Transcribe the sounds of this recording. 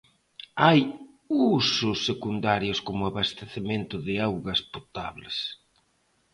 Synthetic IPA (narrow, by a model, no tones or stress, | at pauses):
aj | usʊsːekund̪aɾjʊskomʊaβast̪eθemẽnt̪ʊðɪawɣɐspot̪a̰βles